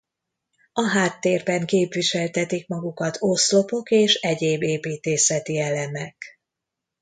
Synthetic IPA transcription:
ɒɦaːt̪ːeːrbɛŋkeːpʋiʃɛlt̪ɛt̪ikmɒɡukɒt̪ʰoslo̞po̞keːʃɛɟeːbeːpiːt̪eːsɛt̪iɛlɛmɛk

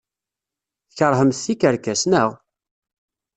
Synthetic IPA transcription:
θçəɾˤɦəmθθikəɾkæsnəʁ

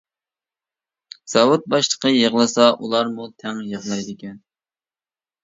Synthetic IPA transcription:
z̥ɑwut̪̚bɑʃlˠə̥qʰəjəʁlˠɨsɑʔulˠɑɾmut̪ʰɛŋjəʁlˠɑjd̪ɪkʲɛn

